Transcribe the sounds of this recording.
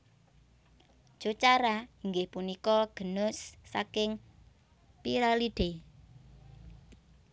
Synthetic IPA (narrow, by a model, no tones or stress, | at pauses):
d̥ʒ̥o̤t͡ʃaɾaiŋɡɪhpunikɔɡ̥ə̤nʊsːa̰kɪŋ | piɾalid̪̥e